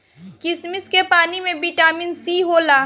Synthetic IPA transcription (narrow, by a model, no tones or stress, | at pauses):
kɪsmɪskepaːnimẽbiʈaːminsiːɦoːlaː